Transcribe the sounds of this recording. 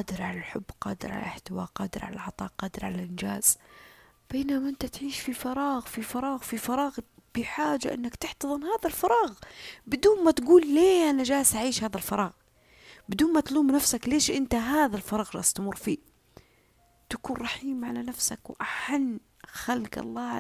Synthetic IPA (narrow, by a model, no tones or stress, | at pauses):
qɑːd̪ɪɾʕalalħʊbːqɑ̰ːd̪ɪɾʕa̰la̰ʔɪħt̪ɪwa̰ːqɑːd̪ɪɾʕa̰la̰lʕɑt̪ˤɑ̰ːʔqɑːd̪ɪɾʕalalʔɪnd͡ʒaːz̥ | b̥eːnamaʔɪnt̪at̪ʕiːʃfifɑɾˤɑːɣfifɑɾˤɑːɣfifɑɾˤɑːɣ | b̥ɪħaːd͡ʒa̰ʔɪ̰nːakt̪ɪħt̪ɑðˤɨnhaːðalfɑɾˤɑːɣbɪd̪uːnmat̪ɡuːlːeːʔanad͡ʒaːsʔaʕiːʃhaːðalfɑɾˤɑːɣ | bɪd̪uːnmat̪luːmnafsakleːʃʔɪnt̪aɦaːðalfɑɾˤɑːɣɾˤɑ̰st̪mʊrˤːfiː | t̪akuːnɾˤɑħiːmʕalanafsakwʔaħanː | xalɡɑ̰lˤːɑː